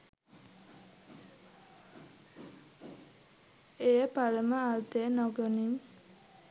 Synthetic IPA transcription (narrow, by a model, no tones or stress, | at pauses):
ejəpaləməalt̪enɔɡɔniŋ